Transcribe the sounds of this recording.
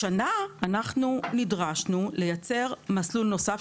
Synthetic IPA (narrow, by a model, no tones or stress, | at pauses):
anaanaχnunidʁaʃnule̞jat͡se̞ʁmaslulno̞saf